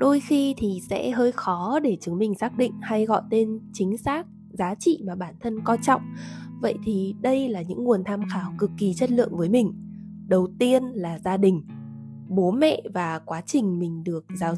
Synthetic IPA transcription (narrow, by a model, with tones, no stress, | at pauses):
ɗo˧jxi˧t̪ʰi˨˩sɛ̰˧˥ɦəː˧jxɔ˨˦ɗe˧˩t͡ɕɨ˨˦ŋmï˨˩ŋ̟saː˦˥k̚ɗḭ̈˧˨ŋ̟ha˧jɣɔ̰˧˨jt̪e˧nt͡ɕï˨˦ŋ̟saː˦˥k̚ | zaː˨˦t͡ɕḭ˧˨maː˨˩ɓaː˧˩nt̪ʰə˧nkɔ˧t͡ɕɔ̰˧˨wŋ͡mvə̰˧˨jt̪ʰi˨˩ɗə˧jlaː˨˩ɲɨ̰˧˥ŋŋu˨˩ənt̪ʰaː˧mxaː˨˦wkɨ˨˩kːi˨˩t͡ɕə˦˥t̚lɨ̰˧˨əŋvəː˨˦jmï˨˩ŋ̟ | ɗə˨˩wt̪i˧ənlaː˨˩zaː˧ɗï˨˩ŋ̟ | ɓo˨˦mɛ̰˧˨vaː˨˩kwaː˨˦t͡ɕï˨˩ŋ̟mï˨˩ŋ̟ɗɨ˨˩ək̚zaː˨˦w